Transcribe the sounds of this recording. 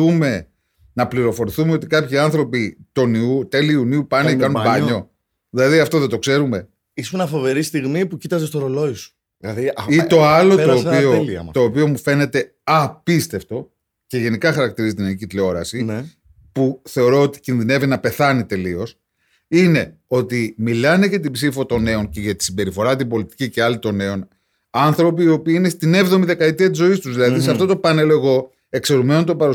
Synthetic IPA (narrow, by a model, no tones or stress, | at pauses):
ume̞ | nɐpliɾo̞fo̞ɾiθume̞o̞t̪ikɐpçiɐnθɾo̞pit̪o̞niut̪eliuniupɐnekɐnumbɐɲɲo̞ | ðilɐðiɐft̪o̞ðe̞t̪o̞kse̞ɾume̞ | isuenɐfo̞ve̞ɾist̪iɣmipucit̪ɐzest̪oɾoloisu̥ | lɐðiit̪o̞ɐlo̞t̪oːpiolɐ̰t̪o̞ːpio̞mufe̞ne̞t̪e̞ | ɐpist̪e̞ft̪o̞ | ce̞ʝe̞nikɐxɐɾɐkt̪iɾizit̪inɐnicit̪leo̞ɾɐsi | puθe̞o̞ɾo̞ot̪i̥cinðine̞vinɐpe̞θɐnit̪e̞lio̞s | ine̞o̞t̪imilɐne̞ʝɐt̪̬ibsifo̞t̪o̞ne̞o̞nce̞ʝɐt̪i̥sibe̞ɾifo̞ɾɐt̪̬ibo̞lit̪i̥cice̞ɐlit̪o̞ne̞o̞n | ɐnθɾo̞p̬iːo̞piine̞st̪ine̞vðo̞miðe̞kɐet̪iɐt̪izo̞ist̪uzðilɐðiseɐft̪o̞t̪o̞pɐne̞loeɣo̞ | e̞kse̞ɾume̞not̪opɐɾu